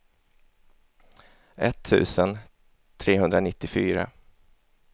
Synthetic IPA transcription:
ɛt̪ʰːʉ̟ːsən | t̪ʰɾeːɦɵnd̪ɾanɪt̪ːɪfyːɾa̰

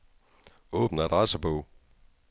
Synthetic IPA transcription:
ɔ̽ːb̥n̩æd̥ʁɑsəb̥ɔʊ̰

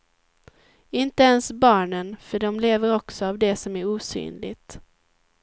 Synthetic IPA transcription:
ɪnt̪əɛnsbɑːɳənfœɖɔmleːvəɾɔksɔavd̪ɛsɔmæɾuːsy̰ːnlɪ̰t̪

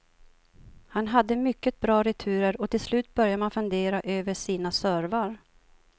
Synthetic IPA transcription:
hanɦad̪ːəmʏkːət̪̚bɾɑːɾɛt̪ʰʉ̟ːɾəɾɔt̪ʰɪlslʉ̟ːt̪̚bœɾjamanfɵnd̪eːɾaʔøːvəʂiːnasœːɾvaɾ

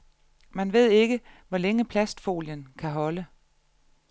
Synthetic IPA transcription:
mænʋe̝ð̞̰ˠe̝ɡ̥əʋɒleŋəpʰlæsd̥fo̝̰ːljənkʰæɦɒ̽lə

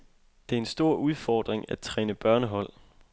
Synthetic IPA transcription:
d̥e̝æɐe̝nsd̥o̝ɐ̰uð̞ˠfɒːd̥ʁeŋæ̥t͡sʰʁɛːnəb̥ɶɐnəɦɒ̽l̰

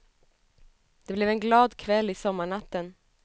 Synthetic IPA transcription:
d̪̥ɛblɛvɛnɡlɑːd̪kʰvɛlːɪsɔmːaɳat̪ːən

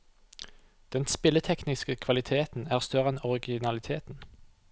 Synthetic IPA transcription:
d̪̥ɛnspɪlət̪ʰɛknɪskəkʰʋɑlɪt̪ʰeːt̪n̩æːʁst̪œʁɛnɔʁɪɡɪnɑlɪt̪ʰeːt̪n̩

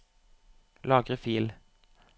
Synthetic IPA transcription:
lɑːɡʁəfiːl

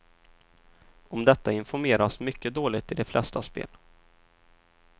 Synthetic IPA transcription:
ɔmd̪ɛt̪ːaɪnfɔɾmeːɾasmʏkːəd̪oːlɪɡt̪ʰɪd̪ɛflʔɛ̰st̪aspḛːl

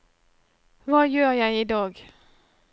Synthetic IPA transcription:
ʋɑːjøːʁjæɪiːd̪ɑːɡ

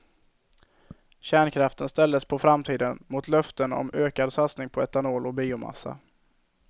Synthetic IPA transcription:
ɕæːɳkʰɾaft̪ənst̪ɛld̪əspʰɔfɾamt̪ʰiːd̪ənmʊt̪ʰlœft̪ənɔ̰møːkad̪sat̪snɪŋpʰɔɛt̪anoːlɔbiːʊma̰sːa̰

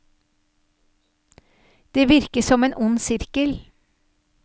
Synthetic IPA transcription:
d̪̥eːʋɪɾkəsɔmeːnʔʊnsɪɾkəl

